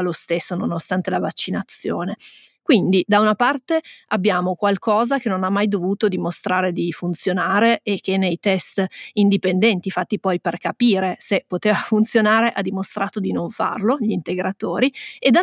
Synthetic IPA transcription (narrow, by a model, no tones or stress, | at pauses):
alost̪esːononost̪ant̪elavat͡ʃːinat̪sːjoːne | kwind̪id̪aunapart̪eabːjaːmokwalkʰɔːzakenːonamːajd̪ovuːt̪od̪imost̪ɾaːɾed̪ifunt̪sjonaːɾeʔek̟ːenːejt̪ɛst̪ind̪ipend̪ɛnt̪ifat̪ːipɔjperkapiːɾesepːot̪eːvafunt̪sjonaːɾeʔad̪imost̪ɾaːt̪od̪inoɱfa̰rloʎint̪eɡɾat̪oːɾied̪a